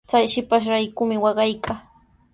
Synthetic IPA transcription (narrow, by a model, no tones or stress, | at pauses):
t͡sajʃɪpaʃ̬ɾajkʊmɪwɑɢɑjkʰaː